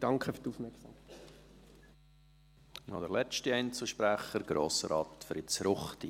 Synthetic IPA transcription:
d̥ɑŋkʰəfydufmɛksɑmkː | nɔd̥əɾlɛt͡ʃtiɛɪnt͡sl̩ˠʃpɾæχəɾɡ̥ɾoːsəɾɑːtfɾɪt͡sɾʊχti

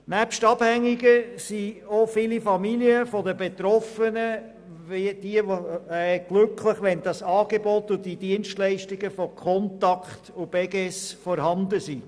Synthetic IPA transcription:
næpʃtɑb̥hæŋːiɡəsiofɪlifɑmiliəfɔdəbet̪ɾɔfənə | ʋid̥iəʋoɛɡ̥lʉkʰlɪχʋɛnd̥ɑsɑːɡebɔt̪ːʊdid̥iənʃtlɛɪʃtɪɡəfɔkʰɔntɑkχtub̥ɛɡɛsfɔɾhɑnd̪əsi

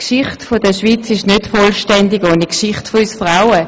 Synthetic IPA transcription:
kʃɪχtfod̥əʃʋit͡sɪʃnøtfɔlʃtɛndɪɡoːnikʃɪχtfoysfʁaʊə

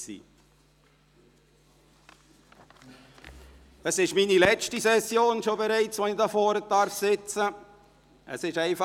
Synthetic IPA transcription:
sḭː | əsɪʃmiːnilɛt͡ʃtisɛsjoːnʃobeɾæɪt͡sʋonidɑfɔːɾədɑɾfsɪt͡sə | ə̰sɪʃæɪfɑ

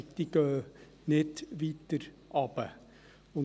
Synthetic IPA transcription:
t̪iɡ̥œː | nɪdʋiːt̪əɾ | ʔɑb̥ə | ʊn

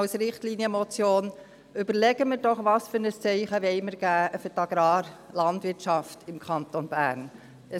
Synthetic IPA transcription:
ɑlsɾɪχtliːniəmɔt͡sjoːn | ʏbəɾlɛɡəməɾdɔχʋɑsfʏɾnəst͡sɛɪχəʋɛɪməɾɡ̥æːfʏɾtɑɡ̥ɾɑːɾlɑndʋɪɾtʃɑftɪmkʰɑnt̪onb̥æ̰ːɾn | ə

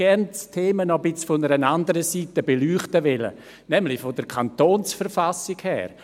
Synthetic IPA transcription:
ɛɾnstʰeːmənɔbɪt͡sfɔnəɾənandəɾəsiːtəbelyːχtəvɪlə̰ | nɛmlɪfodəɾkʰant̪oːnsfəɾfasɪkhɛ̰ːɾ

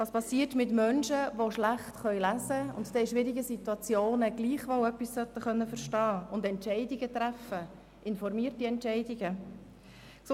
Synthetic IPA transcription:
vɑːspɑsiːətmɪtmœnʃəʋoʃlæχtχœɥlæzəʊntd̥̪ɛːʃʋɪɾiɡəsitwɑt͡sjoːnəɡ̥liːχʋowœpːissœt̪ːəχœnːəfəɾʃtɑːʊndɛntʃɛɪdiɡət̪ɾæfə | ʔɪnfɔɾmiːərtiɛntʃɛɪdiɡə | ks

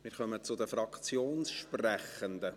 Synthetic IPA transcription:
mɪːɾχœmət͡sʊd̪əfɾɑkt͡sjoːnsʃprɛχənd̪ə

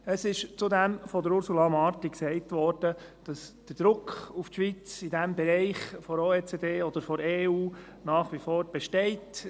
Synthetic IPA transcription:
əsɪʃt͡sudæmfɔdəɾʊɾsulɑmɑːɾtiksɛɪtʋɔːɾd̥ə | d̥ɑsd̥əɾd̥̪ɾʊkʰufʃʋit͡sɪdæmbɛɾɛɪχfɔɾoːeːt͡sed̪eːɔd̥̪əɾfɔɾeːuː | nɑːχʋifoːɾb̥ɛʃtɛɪt

